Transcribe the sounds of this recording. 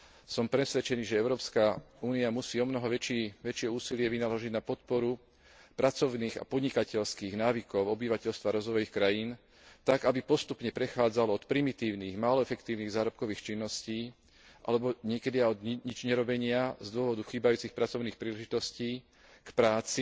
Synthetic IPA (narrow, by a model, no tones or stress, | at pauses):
sɔmpɾɛsʋɛt͡ʃɛniːʒɛɛʊɾɔːpskauːniamusiːɔmnɔɦɔʋɛt͡ʃiʋɛt͡ʃɪɛuːsilɪɛʋinalɔʒiɟnapɔt̪̚pɔɾu | pɾat͡sɔʊniːɣa̰pɔd̪ɲikacɛʎskiːɣnaːʋikɔʊɔbiʋacɛʎst̪ʋaɾɔzʋɔjixkɾajin | t̪aɡabipɔst̪upɲɛpɾɛxaːd͡zalɔt̪pɾimit̪iːʊniːɣmaːlɔɛfɛkt̪iːʊniɣzaːɾɔp̚kɔʋiːxt͡ʃinːɔsciː | ʔa̰lɛbɔɲɪɛkɛd̪iaɔd̪ɲid͡ʒɲɛɾɔbɛɲɪazd̪ʊɔʋɔd̪uxiːbajuːt͡sixpɾat͡sɔʊniːxpɾiːlɛʒit̪ɔsciː | kpɾaːt͡si